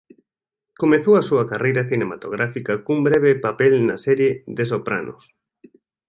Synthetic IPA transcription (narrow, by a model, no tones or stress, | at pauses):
komeθowɐsuɐkarejɾɐθinemat̪o̰ɣ̞ɾafikakumbɾɛβ̞epapɛlna̰sɛɾjed̪es̬opɾa̰nʊ̰s